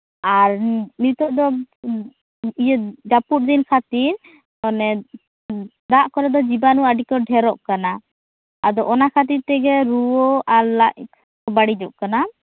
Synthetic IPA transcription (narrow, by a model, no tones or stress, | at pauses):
aɾnit̪ɔʔd̪ɔ | ijɛd͡ʒapuɾ̚d̪inkʰat̪iɾ | ɔnɛ | d̪aʔkɔɾɛd̪ɔd͡ʒibanuaɖikɔɖʱɛɾɔʔkana | ad̪ɔʔɔnakʰat̪̬iɾt̪ɛɡɛɾuɔalaʔ | ɔbaɽid͡ʒɔʔkana